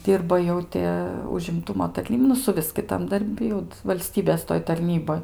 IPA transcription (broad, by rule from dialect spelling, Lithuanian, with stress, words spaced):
ˈdʲiːrbɐ ˈjɛʊ tʲɪ ʊʒʲɪmˈtʊmoː tɐrʲˈnʲiːp nʊ sʊˈʋʲɪs kʲɪˈtɐm dɐrʲˈbʲɪ jɛʊ ʋɐlʲˈsʲtʲiːbʲeːs toːj tɐrʲˈnʲiːboːj